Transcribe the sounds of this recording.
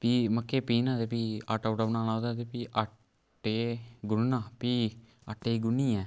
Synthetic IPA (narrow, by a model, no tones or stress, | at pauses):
piːməkːeːpiːnaːt̪epiːa̰ːʈoːʈaʋnaːnãːwd̪aːt̪eːpiːʔa | ʈːeːɡʊnnaːpiː | əʈːeːɡʊniːɛː